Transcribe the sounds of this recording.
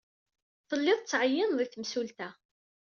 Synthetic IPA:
θəlːɪðˤt͡sːʕəjːənðˤiθəmsult̪æ

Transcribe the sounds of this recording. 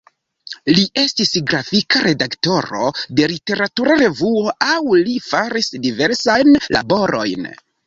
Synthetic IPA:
liʔe̞stisɡɾafikaɾe̞dakto̞ɾo̞̰de̞lite̞ɾatuɾaɾe̞vuo̞ʔawlifaɾisdive̞ɾsajnlʔa̰bo̞ɾo̞jn

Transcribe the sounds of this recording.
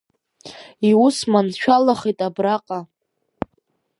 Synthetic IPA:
iusmanʃʷᶣalaχejtʼabraqʼa

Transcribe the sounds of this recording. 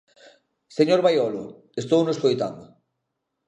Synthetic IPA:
seɲoɾβajɔlʊ | est̪ownoskojt̪a̰nd̪ʊ

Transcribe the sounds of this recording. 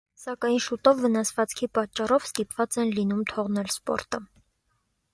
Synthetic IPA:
sɑkɑjnʃut̪ɔvːənɑsvɑt͡skʰipɑt͡ʃːɑrɔv̥st̪ipvɑt͡sɛnlinumt̪ʰɔʁnɛlspɔ̰ɾt̪ə

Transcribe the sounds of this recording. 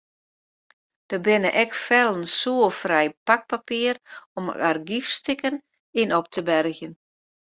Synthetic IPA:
d̥əbɪnəʔɛkfɛlˠənsuəfrɛjpak̚papiərɔmarɡifstɪkən | inɔp̚tʰəbɛrɣjən

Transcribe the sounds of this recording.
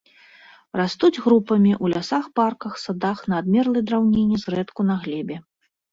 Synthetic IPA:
rast̪ud͡zʲɣɾupɐmʲiʔulʲasaxparkɐxsad̪axnɐːd̪mʲɛrlˠɨjd̪ɾawnʲenʲːizrɛt̪kunɐɣlʲɛbʲɛ

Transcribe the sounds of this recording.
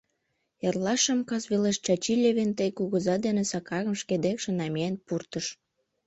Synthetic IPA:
erlɑʃəmkɑsβeleʃt͡ɕɑt͡ɕilʲeβent̪əjkuɣəzɑd̪enesɑkɑɣə̆mʃked̪ekʃĕnɑmeenpurt̪əʃ

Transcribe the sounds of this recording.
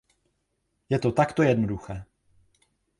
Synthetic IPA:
jɛt̪ot̪akt̪ojɛdnoduxɛː

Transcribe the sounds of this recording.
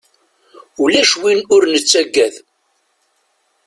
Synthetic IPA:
ulæʃwinʊɾnət͡sːæɡːæθ

